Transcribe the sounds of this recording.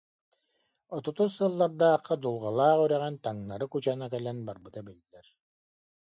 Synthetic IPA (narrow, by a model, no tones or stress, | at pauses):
ɔt̪ɔt̪usɯlˠːaɾd̪aːqːad̪ulˠʁalˠaːʁyɾɛʁɛnt̪aŋnaɾɯkut͡ɕanakɛlɛnbaɾbɯt̪abilːɛɾ